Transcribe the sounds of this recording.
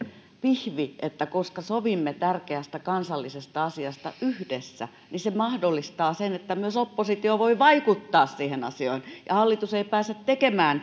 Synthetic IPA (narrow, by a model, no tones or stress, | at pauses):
pihʋiʔet̪ːækoskɑsoʋimːet̪ærkeæst̪ækɑnsɑlːisest̪ɑɑsiɑst̪ɑʔyhdesːæ̰ | nisemɑhdolːist̪ɑːsenet̪ːæmyøsopːosit̪ioʋoiʋɑikut̪ːɑːssiːhenɑ̰sioinjɑ̰hɑlːit̪useipæːset̪tekemæːn